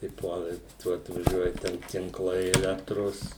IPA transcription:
tɐɪ ˈpuɔlˠɐ ɪ ˈtuɔ ɐtʋɐˈʒʲuɔjɛ ˈtʲɛn tʲɪŋˈklˠɐɪ ɛˈlʲæːktroːs

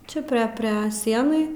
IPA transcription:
ˈt͡ʃʲɛ pʲrʲɛ ˈpʲrʲɛ ˈsʲiɛnɐɪ

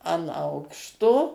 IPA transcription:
ɐn ˈɐʊkʃtoː

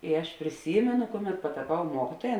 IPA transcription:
ɪ ˈɐʃ pʲrʲɪˈsʲiːmʲɛnʊ ˈkʊˌmʲɛt pɐtɐˈpɐʊ ˈmuɔkʲɪtuɔjɛ

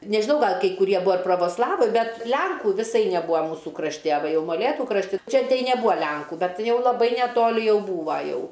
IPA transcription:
nʲɛʒʲɪˈnɐʊ ˈɡɐlˠ kɐɪ kʊˈrʲiɛ ˈbʊɐ ɪr proːʋoːsˈlˠɑːʋɐɪ ˈbʲɛt ˈlʲɛŋkuː ʋʲɪˈsɐɪ nʲɛˈbuːɐ ˈmuːsuː krɐʃʲˈtʲɪ ɐ ˈʋɐ ˈjɛʊ moːˈlʲeːtuː krɐʃʲˈtʲɪ ˈt͡ʃʲɛ nʲɛˈbʊɐ ˈlʲɛŋkʊ ˈbʲɛt ˈjɛʊ lˠɐˈbɐɪ nʲɛˈtoːlʲɪ ˈjɛʊ ˈbuːʋɐ ˈjɛʊ

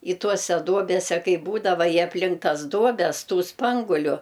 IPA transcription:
ɪ ˈtuɔsʲɛ ˈduɔbʲɛsʲɛ ˈkɐɪ ˈbuːdɐʋɐ ɪ ɐpʲˈlʲɪŋk ˈtɐs ˈduɔbʲɛs ˈtuː ˈspɐŋɡʊlʲʊ

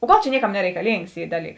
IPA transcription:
oː ˈɡɐlˠ t͡ʃʲɛ ˈnʲiɛˌkɐm nʲɛrʲɛɪkɐˈlʲiːŋks ˈiː ˈdɑːˌlʲiːks

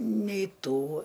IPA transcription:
nʲɛɪˈtuː

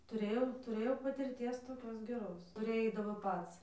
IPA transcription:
tʊˈrʲeːjɛʊ tʊˈrʲeːjɛʊ pɐtʲɪrʲˈtʲiɛs toːˈkʲoːs ɡʲɛˈroːs tʊˈrʲeːj ˈɛɪdɐʋoː ˈpɐts

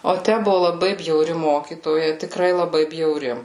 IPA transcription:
oː ˈtʲæ ˈbʊʋʊ lˠɐˈbɐɪ bʲjɛʊˈrʲɪ ˈmoːkʲiːtoːjɛ tʲɪˈkrɐɪ lˠɐˈbɐɪ bʲjɛʊˈrʲɪ

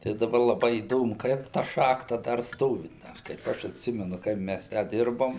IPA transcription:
tɐɪ dɐˈbɐ lˠɐˈbɐɪ iːˈdoːmʊ ˈkɐɪp tɐ ˈʃɑːxtɐ dɐr ˈstoːʋʲɪ ˈdɐ kɐɪp ˈɐʃ ɐtʲˈsʲɪmʲɛnʊ ˈkɐɪp mʲæs tʲæː ˈdʲɪrboːm

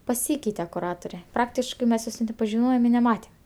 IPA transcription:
pɐˈsʲiːkʲɛɪtʲɛ kʊˈrɑːtʊrʲɛ ˈprɑːktʲɪʃkɜ mʲɛs ˈjoːs nʲɛt nʲɛpɐʒʲɪˈnoːjɛm ɪ nʲɛˈmɑːtʲɛm

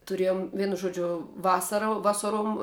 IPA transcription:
tʊˈrʲeːjoːm ˈʋʲiɛnʊ ˈʒuɔd͡ʒʲʊ ˈʋɑːsɐrɐ ˈʋɑːsɐruɔm

